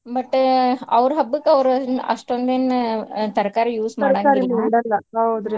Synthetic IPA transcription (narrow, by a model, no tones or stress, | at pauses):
bɐʈːɐʋɾɦɐbːukːɐʋɾɐ̰ʂʈond̪eːnt̪ɐɾkaːɾɐjuːsmɐːɾɖaːaɾiɳɖɐlːɐaoːd̪ɾi